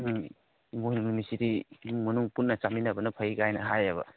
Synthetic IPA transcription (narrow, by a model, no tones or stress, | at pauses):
mujnunumisidiŋmɐnuŋpunːɐt͡ʃaminɐbɐnɐpʰɐiɡajnɐɦajɐbɐ̰